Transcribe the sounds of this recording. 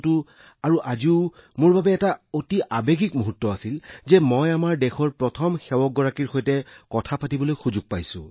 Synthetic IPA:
tʊ | aɹuʔaziʊmʊɹbabɛːtaotiʔabeɡikmuɦutːɔasilzɛmɔjamaɹdɛxʰɔɹpɹɔtʰɔmxɛwɔɡ̚ɔɹakiɹxojtɛkɔtʰapatibɔlojxuzuɡ̚pajsʊ̰̃

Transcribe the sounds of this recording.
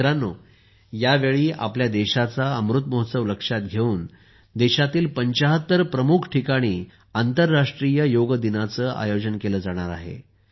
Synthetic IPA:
ɾanoː | jaʋeɭiːʔa̰pljad̪eɕat͡saəmɾut̪mɔɦət̪səʋləkʂat̪̚ɡʱeuːn | d̪eɕat̪iːlpəɲt͡ɕaɦət̪ːəɾpɾəmukʰʈʰikaɽ̃iː | ant̪əɾːaʂʈɾijəjoɡəd̪inat͡səːʔa̰jod͡ʑənkeləːd͡zaɽ̃aɾa̰ɦḛ

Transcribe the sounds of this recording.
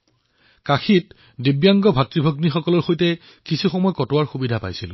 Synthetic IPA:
kaxit | dibjaŋɡɔbʱatɹibʱoɡnixɔkɔlɔɹxojtɛ | kisʰuxɔmɔjɔkɔtʊwaɹxubidʱapa̰jsḭl

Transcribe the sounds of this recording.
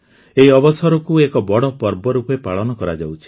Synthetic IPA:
eiɔbɔsɔɾɔkuekɔbɔɽɔpɔɾbɔɾupepaɭɔnɔkɔɾa̰d͡ʒawt͡ʃʰi̥

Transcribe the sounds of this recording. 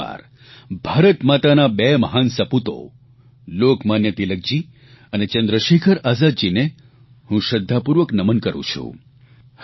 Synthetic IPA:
a̰ɾ | bʱaɾət̪mat̪anabeməɦansəput̪o̰ | lokmanjət̪iləɡ̚d͡ʒi | ənet͡ʃənd̪ɾəʃekʰəɾazad̪d͡ʒine | hũʃəd̪ʱːapuɾʋəknəmənkəɾṵ̃t͡ʃʰṵ̃

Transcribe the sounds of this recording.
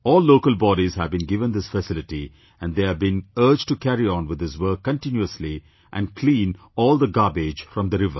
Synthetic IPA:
ɔːlːoːkəlbɔɾiz̥hævbĩnɡɪʋə̃nd̪ɪsfəsɪlɪʈi | æ̃nɖd̪eːævbĩnəːd͡ʒʈukʰæɾiɔ̃nwɪd̪ɪzwəːkːə̃nʈɪ̃njuəsli | ʔæ̰̃nkʰlĩːn | ɔːlˠd̪əɡɑːbed͡ʒfɾɔ̃md̪əɾɪʋə̰

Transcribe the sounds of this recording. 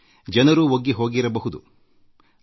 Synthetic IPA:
d͡ʒɐnɐɾuːoɡːiɦo̞ːɡiɾɐbɐɦud̪u

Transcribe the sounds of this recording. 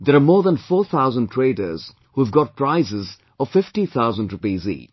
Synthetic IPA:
d̪əɾamɔːɾðə̃nfɔːt̪ʰaʊzə̃nʈʰɾeːɖəɾz̥ | huɛvɡɔt̚pɾaɪzɪz | ɔvfɪfʈit̪ʰaʊzə̃nɖɾupiːzḭː

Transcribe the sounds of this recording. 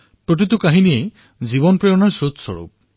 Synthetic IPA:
pɹot̬itukaɦinie | ziβɔnpɹejɔnaɹsɹot̪sɔ̰ɹṵp̚

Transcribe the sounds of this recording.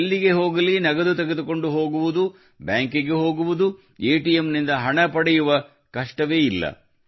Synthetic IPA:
lːiɡe̞ɦo̞ːɡɐlinɐɡɐd̪ut̪ɐɡed̪uko̞ɳɖuɦo̞ːɡuʋud̪u | bjaːŋkiɡe̞ɦo̞ːɡuʋud̪u | eːʈijemnind̪ɐɦɐɳɐpɐɽɛjuʋɐ | kɐʂʈɐʋe̞ːilːɐ̰

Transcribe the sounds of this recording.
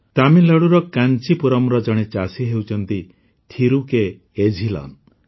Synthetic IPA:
t̪amilɔɽuɾɔkant͡ʃipuɾɔmɾɔd͡ʒɔɽ̃et͡ʃasiɦewt͡ʃʰɔnt̪i | t̪ʰiɾukeː | d͡ʒʱilɔ̰n

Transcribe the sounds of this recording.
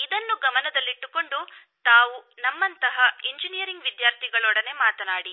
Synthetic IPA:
id̪ɐnːuɡɐmɐnɐd̪ɐlːiʈːuko̞ɳɖu | t̪aːʋunɐmːɐnt̪ɐɦɐeɲd͡ʒinijɐɾiŋɡʋid̪jaːɾt̪ʰiɡɐɭɔɽɐne̞maːt̪ɐnaːɽi

